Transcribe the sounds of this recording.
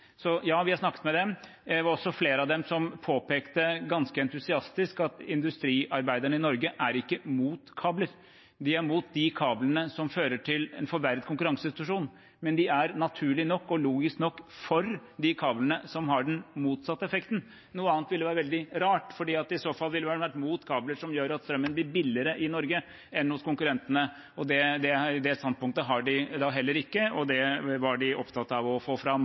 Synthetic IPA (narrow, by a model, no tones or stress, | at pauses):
sɔjɑːʋɪhɑɾsnɑkːə̥t̪mɛd̪ɛ | æʋɑɾɔsːɔfleːɾəɑd̪ɛmsɔmpʰoːpeːkt̪əɡɑnskəɛnt̪ʉsɪɑst̪ɪskɑt̪ɪnd̪ʉst̪ɾiːʔɑɾbæɪd̪əɳəɪnɔɾɡəʔæɾɪkːəmuːt̪kʰɑːbləɾ | d̪ɪæɾmuːt̪̚d̪ɪkʰɑːblənəsɔmføːɾəʈʰɪlɛ̰nfɔɾʋæɾd̪̚kʰʊŋkʉɾɑŋsəɪnsɪt̪ʉʂuːn | mɛnd̪ɪæɾnɑt̪ʰʉːɭɪnɔkːɔluːɡɪsknɔkːfɔɾd̪ɪkʰɑːblənəsɔmɦɑɖɛnmuːt̪sɑt̪ːəɛfɛkt̪n̩ | nuːəɑːnt̪ʋɪlːəʋæːɾəʋɛld̪ɪɾɑːʈfɔɖiːɑt̪̚ɪsoːfɑlːʋɪlːəʋæʋæʈːmuːt̪kʰɑːbləɾʂɔmjøːɾɑt̪st̪ɾœmːənb̪ɪɾbɪlːɪəɾəʔɪnɔɾɡə | ɛnhʊskʊŋkʉɾɛnt̪ənə | ɔd̪ɛd̪ɛd̪ɛst̪ɑnd̪̚pʰʊŋkt̪əɦɑɖɪd̪ɑːɦɛlːəɾɪkːəɔd̪ɛʋɑɖɪʔɔpt̪ʰɑt̪ːɑʋɔfoːfɾɑm